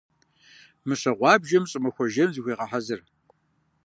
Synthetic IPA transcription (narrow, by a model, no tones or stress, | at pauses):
mɨɕɐʁʷɑːbʒɐmɕʼɨmɐxʷɔʒɐmzɨxʷiːʁɐħɐzɨr